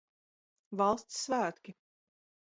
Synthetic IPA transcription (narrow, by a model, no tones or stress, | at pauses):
vɑlˠst̪sːvæːt̪kʲi